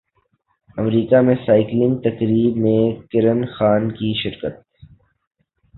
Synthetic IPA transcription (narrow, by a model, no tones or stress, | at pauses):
ɐmɾiːkamẽsaːɪklɪ̃ŋɡ̚t̪ɐkɾiːbmẽkɪɾənxaːnkiʃɪɾkət̪̚